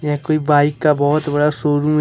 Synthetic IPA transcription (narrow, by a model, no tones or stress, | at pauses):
jɛkoːibaːɪkːabɔːɔt̪bɐɽaʃoːɾũmẽ